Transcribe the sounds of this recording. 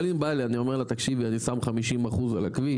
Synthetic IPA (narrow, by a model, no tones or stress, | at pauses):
limbalianio̞me̞ʁlat̪akʃivianisamχamiʃimaχuzala̰kvi